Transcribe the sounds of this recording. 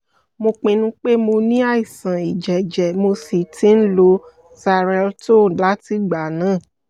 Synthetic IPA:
mo˧k͡pẽ˧nũ˦k͡pe˦mo˧nĩ˦a˦˨i˨sã˨i˨d͡ʒɛ˨d͡ʒɛ˨mo˧si˨ti˧˦n̩˦lo˧ | sa˧ɾɛ˧lto˦˨la˨˦ti˨˦ɡ͡ba˨nãː˦˨

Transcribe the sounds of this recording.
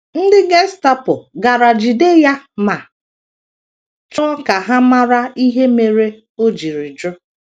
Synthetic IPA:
n̩˦dɪ˦ɡe˦sta˦pʊ˨ɡa˨ɾa˨d͡ʒi˨de˦ja˦ma˨ | t͡ʃɔ˦ka˨ɦa˦ma˦ɾa˦i˦ɦe˦me˨ɾe˦ | o˦d͡ʒi˨ɾi˨d͡ʒʊ˦

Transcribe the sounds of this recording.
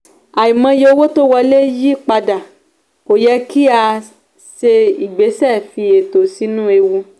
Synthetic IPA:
a˨i˨mã˧jo˧˦wo˦to˦wɔ˧le˦ji˦k͡pa˧da˨ | ko˨jɛ˧ki˦a˧ | se˧i˨ɡ͡be˨˦sɛ˦˨fi˧e˨to˨si˨˦nũ˦e˧wu˧

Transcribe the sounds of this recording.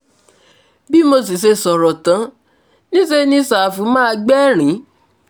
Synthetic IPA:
bi˦mo˧s̬i˨s̬e˧sɔ˨ɾɔ˨tã˨˦ | nĩ˦se˦˧nĩ˧˦sa˨fũ˨˦mãː˦˧ɡ͡bɛ˦˨ɾ̃ĩ˨˦

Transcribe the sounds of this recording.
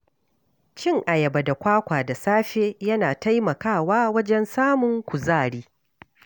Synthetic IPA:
t͡ʃɪ˦ŋʔa˨jɐ˨ba˨da˨kʷaː˦kʷaː˨da˨saː˦ɸeː˦jɐ˦naː˨ta˦jmɐ˨kaː˦˨waː˦wɐ˦d͡ʒɛ˦nsaː˦mʊ˨ŋkʷʊ˨zaː˦˨ɽiː˦

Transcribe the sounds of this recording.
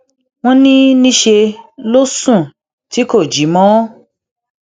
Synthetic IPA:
w̃ɔ̃˦nĩ˦nĩ˦ʃe˧lo˦sũ˦˨ | ti˨˦ko˦˨d͡ʒi˨˦mɔ̃˦

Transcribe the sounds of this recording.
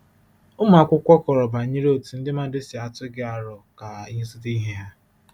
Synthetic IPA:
ʊ˦m˦˨a˨kʷʊ˦kʷɔ˦kɔ˨ɾɔ˨ba˨ɲi˦ɾo˨tu˨n̩˦dɪ˦ma˦dɪ˦si˨a˨tʊ˦ɡɪ˦a˨ɾɔ˨ka˨i˦sʊ˦ti˦ɦe˦ɦa˦

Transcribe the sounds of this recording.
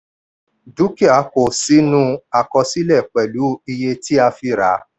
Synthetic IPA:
du˨˦ki˦˨a˨˦ko˨si˨˦nũ˧a˨kɔ˧si˦lɛ˦˨k͡pɛ˨lu˨˦i˧je˧ti˦a˧fi˧ɾa̰˨˦

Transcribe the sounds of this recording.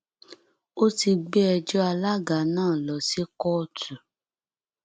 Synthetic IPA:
o˦ti˧ɡ͡be˦ɛ˧d͡ʒɔ˦a˧la˦ɡa˨˦nãː˦˨lɔ˨si˦kɔ˦˧tu˨

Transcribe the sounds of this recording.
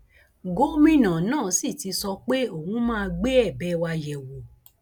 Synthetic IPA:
ɡo˨˦mĩ˦˨nã˨nãː˦˨si˦˨ti˨˧sɔ˧k͡pe˦o˦˨hũ˨˦mãː˦˧ɡ͡be˦ɛ˦˨bɛ˨˦wa˧jɛ˨wo˨

